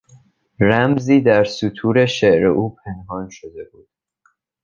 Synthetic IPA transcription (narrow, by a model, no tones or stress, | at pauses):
ɾæmziːd̪æɾsut̪ʰuːɾe̞ʃeʔɾeʔuːpʰe̞nhɒːnʃod̪e̞buːd̪̥̚